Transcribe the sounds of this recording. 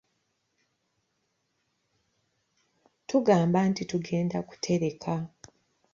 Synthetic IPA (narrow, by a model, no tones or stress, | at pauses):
tuɡaːmbantituɡe̞ːndaku̥tʰe̞ɾe̞kʰa